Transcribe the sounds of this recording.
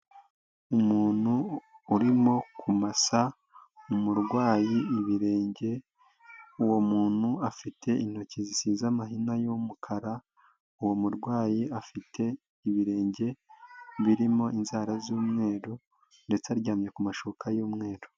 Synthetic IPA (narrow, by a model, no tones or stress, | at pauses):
umuːn̥uːɾimo̞kʰumasa | umuɾɡwaːjiiβiɾe̞ːɲɟe̞ | uwo̞muːn̥huafitʰe̞in̥ho̞cizisiːzamaɦinajomukʰaɾa | uwomuɾɡwaːjiafitʰe̞ | iβiɾe̞ːɲɟe̞βiɾimo̞inzaːɾazuːmŋe̞ːɾo | nde̞t͡seaɾɟaːmɲe̞kumaʃokajuːmŋe̞ːɾo